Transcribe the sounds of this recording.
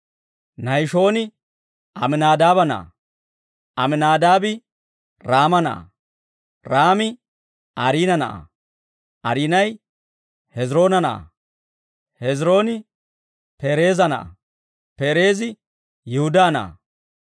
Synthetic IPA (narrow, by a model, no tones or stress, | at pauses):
nɐjʃo̞ːnɪ | ʔɐmɪnaːd̪aːbɐnɐ̰ʔɐ̰ | ʔɐmɪnaːd̪aːbɪ | ɾaːmɐnɐ̰ʔɐ̰ | ɾaːmɪ | ʔɐɾiːnɐnɐʔɐ̰ | ʔɐɾiːnɐj | hɛzɾo̞ːnɐnɐʔɐ̰ | hɛzɾo̞ːnɪ | pe̞ːɾe̞ːzɐnɐ̰ʔɐ̰ | pe̞ːɾe̞ːzɪ | jɪhʊd̪aːnɐ̰ʔɐ̰